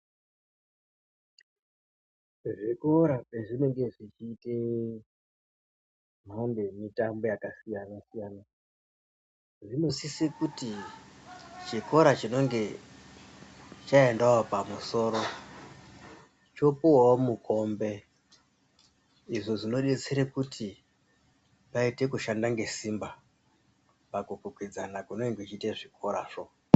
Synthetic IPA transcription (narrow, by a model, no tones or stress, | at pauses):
ʐikoɾapeʐine̞ŋɡe̞ʐit͡ʃiːte | mande̞mitambo̞jakasijanasijaːna | ʐino̞sisekuti | t͡ʃeko̞ɾat͡ʃino̞ŋɡe̞ | t͡ʃaendawopamuso̞ːɾo̞ | t͡ʃo̞puwaomuko̞mbe̞ | iʐo̞ʐino̞ɗe̞t͡seɾekutʰi | paite̞kuʃandaŋɡe̞simba | pakukukwid͡zanakuno̞iŋɡet͡ʃiteʐiko̞ɾaːʐo̞